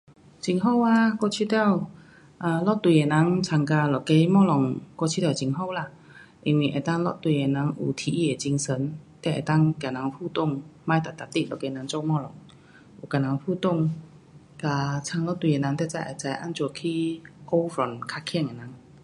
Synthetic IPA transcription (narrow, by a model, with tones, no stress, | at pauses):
t͡ɕi˧ŋɦo˥˨wa˧kɔ˥˧˩t͡ɕʰi˧˥t̪jɛ˥˧˨w | ʔə˧lɔ˥˨t̪wi˧˨e˨nã˨˦ŋt͡sʰa˧ŋka˧lɔ˨˩˨ke˧˥mɔ˥˧lɔ˨˩ŋkɔ˧˩t͡ɕʰi˧˥t̪ʰɛ˧˩˨t͡ɕi˧ŋɦo˥˧˨la˧˩˨ | ʔi˧˩nwi˧˩ʔḛ˨˩t̪a˥˨ŋlɔ̰˧˥˨t̪wi˧e˨˩nã˨˦ŋʔṵ˨˩t̪ʰi˧˩ʔi˧˩e˨˩t͡ɕi˧ŋsə˧˦nt̪ɛ˧˩ʔḛ˨˩t̪a˥˧˨ŋkja˨˩na˨˦ŋfu˥˧t̪ʊ˥˩˨ŋmã˧˥jt̪a˨˩t̪a˨˩t̪i˧˩˨lɔ̰˨˩ke˧˦na˧˦ŋt͡ɕɔ˥˧mɔ˥˧˨lɔ˨˩˦ŋ | ʔu˨˩ka˨˩na˨˦ŋfu˥˧t̪ʊ˥˨ŋ | ka˧t͡sʰa˧ŋlɔ˧˥˨t̪wi˧˨e˨˩na˧˦ŋt̪ɛ˧˩t͡sa˧˩jʔa̰˨˩t͡sa˧jʔa̰˧˥˨nt͡ɕu˧˩kʰi˧ko˥˩wfɔ˨˩nkʰa˧˩kʰɛ˥˧˨ŋe˨˩na˨˦ŋ